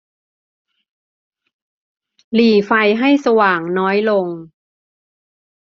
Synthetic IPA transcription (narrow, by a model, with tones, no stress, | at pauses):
liː˨˩fa˧jɦa˥˩jsa˧waː˨˩ŋnɔː˦˥jlo˧ŋ